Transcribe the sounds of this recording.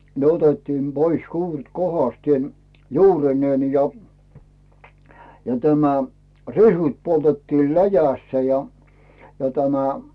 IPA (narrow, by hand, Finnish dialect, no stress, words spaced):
ne otetːiːm b̥ois juːret kohɑstieˑn juːrineːn jɑ jɑ tæmæ risut poltetːil læjæsːæ jɑ jɑ tæmæ